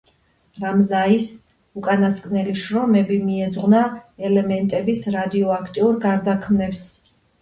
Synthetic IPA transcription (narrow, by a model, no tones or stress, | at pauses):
ɾamzais | ukʼanaskʼnɛliʃɾɔmɛbimiɛd̪zʁnaɛlɛmɛnt̪ʼɛbisɾad̪iɔakʰt̪ʼiuɾɡaɾd̪akʰmnɛps